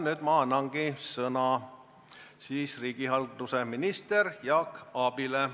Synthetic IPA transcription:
nyːd̪̥mɑɑnːɑŋɡ̥isɤnɑ | siːsriːɡ̥iɦɑld̪useminist̪erjɑkɑb̥ile

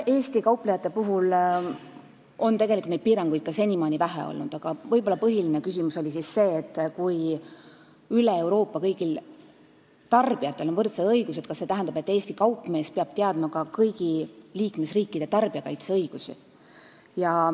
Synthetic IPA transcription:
e̞ːsʲt̪ikɑwplejɑt̪ːˑe̞puɦul | o̞nt̪e̞ɡ̥e̞lʲikult̪ed̪̚piːɾɑŋɡ̥ujd̪̥̚kːɑse̞nʲimɑːnʲivæɦḛo̰lnud̪̥ɑɡ̥ɑvɤjb̥o̞lːɑpɤɦiline̞kysimuso̞lʲisisse̞ːt̪ːˑkuj | yleewɾo̞ːpːˑɑkɤjɡ̥il | t̪ɑrb̥iɑt̪ːˑe̞lo̞nvɤrt̪sɑd̪ɤjɡ̥used̪̚kɑse̞t̪æɦænd̪ɑbe̞t̪ːeːst̪ikɑwpːˑme̞ːspeɑb̥̚t̪eɑd̪̥mɑkɑkɤjɡ̥iliːkme̞sriːkːˑid̪̥e̞t̪ɑrb̥iɑkɑjt̪seɤjɡ̥usḭ | jɑ

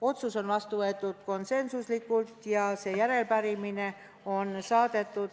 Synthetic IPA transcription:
o̞t̪suso̞nvɑst̪uʋɤet̪ːˑut̪ko̞nse̞nsuslikːˑult̪jɑse̞jæɾe̞lpæɾimine | o̞nsɑːd̪et̪ːˑut̪

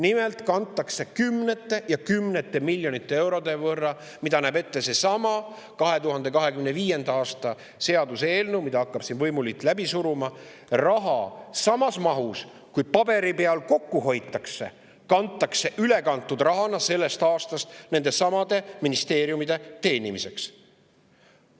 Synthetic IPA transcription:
nimelt̪kɑnt̪ːˑɑkse̞kymne̞t̪ˑːe̞jɑkymnet̪ːˑe̞milʲːjo̞nit̪ːˑee̞wɾo̞d̪e̞vɤrːɑ | mid̪ɑnæːbe̞t̪ːe̞se̞sɑmɑ | kɑɦe̞t̪uɦɑnd̪e̞kɑɦe̞kymneviːje̞nd̪ɑɑːst̪ɑ | se̞ɑd̪use̞ːlnewmid̪ɑɑkːɑb̥sinvɤjmulit̪ːˑlæbisuɾumɑrɑɦɑsɑmɑsmɑɦus | kujpɑbe̞ɾipe̞ɑlko̞kːuɦo̞jt̪ːˑɑkse̞̰ | kɑnt̪ːˑɑkse̞ʔyle̞kɑnt̪ːˑud̪̥rɑɦɑnɑse̞lːe̞st̪ɑːst̪ɑst̪ne̞nd̪e̞sɑmɑd̪̥e̞minist̪e̞ːɾjumid̪̥e̞t̪e̞ːnimise̞ks

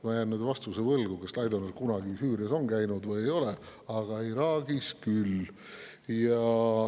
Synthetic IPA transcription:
mɑjænːyd̪̥vɑst̪usevɤlɡukeslɑjd̪onerkunɑɡisyːɾiɑso̞nkæjnud̪vɯjejo̞leɑɡ̥ɑiɾɑːɡ̥iskyl | jɑ

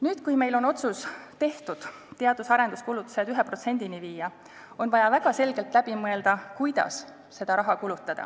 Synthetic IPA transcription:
nyːd̪̥kujme̞jlo̞no̞t̪sust̪e̞ht̪ud̪̥ | t̪e̞ɑd̪̥usɑɾend̪uskulut̪ːˑu̥se̞d̪yɦepro̞t̪se̞nʲd̪̥iniviːjɑ | o̞nvɑjɑvæɡ̥ɑse̞lɡ̥e̞lt̪ˑlæb̥imɤe̞ld̪̥ɑkujd̪̥ɑ̰s | se̞d̪̥ɑɾɑɦɑkulut̪ːˑɑd̪̥ɑ̰

